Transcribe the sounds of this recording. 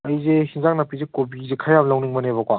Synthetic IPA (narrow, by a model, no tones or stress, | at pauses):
ɐjzehinzak̚napizekobizekʰajabɐlawniŋmɐnebakwa